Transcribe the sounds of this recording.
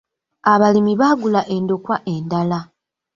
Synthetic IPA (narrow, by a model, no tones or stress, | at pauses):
aβalimiβaːɡulaʔe̞ndo̞kwaʔendala